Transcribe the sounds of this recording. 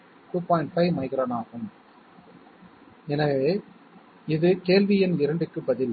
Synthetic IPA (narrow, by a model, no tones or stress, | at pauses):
ʈuːpaːjɳʈfɐɪʋmɐɪɣɪɾɐnaːɣɯm | ɛnɐʋeː | ɪðɯkeːlʋɪjɪnɪɾɐɳɖɯkːɯbɐðɪl